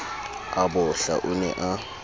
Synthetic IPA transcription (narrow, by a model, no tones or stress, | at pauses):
abɔɬa̰ʔunɛ̰ʔa